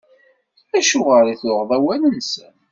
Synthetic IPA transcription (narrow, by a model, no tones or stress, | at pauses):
æʃuʁəɾiθʊʁðˤæwælənsən